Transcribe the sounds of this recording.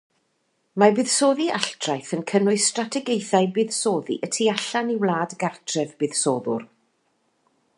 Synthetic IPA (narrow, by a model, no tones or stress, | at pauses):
mabɨːðsoːðiʔaɬtʰrajθənkʰənʊɨstratʰɛɡejθajbɨːðsoːðḭʔətʰiaɬaniwlˠaːdɡartʰrɛvbɨːðsoːðʊr